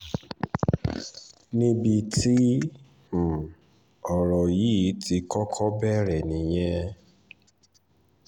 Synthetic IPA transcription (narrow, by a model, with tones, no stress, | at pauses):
nĩ˦bi˧tĩ˦˨ | ɔ˨ɾɔ˨ji˨˦ti˧kɔ˦kʰɔ˦bɛ˦˨ɾɛ˨nĩ˨j̃ɛ̃˧